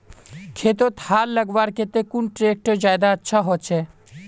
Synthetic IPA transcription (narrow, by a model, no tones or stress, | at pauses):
kʰeːt̪̬ot̪haːllːəɡʋaːɾket̪ekʊnʈɾeːk̚ʈd͡ʒaːjd̪aətːʃʰaɦot͡ʃʰɛː